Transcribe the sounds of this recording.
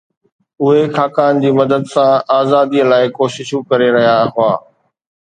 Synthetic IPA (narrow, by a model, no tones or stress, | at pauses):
ʊɦekʰaːkaːnd͡ʑiːmɐd̪əd̪sãaːzaːd̪iːlaːɪkoːʃɪʃũkɐɾeɾɐɦijaɦʊaː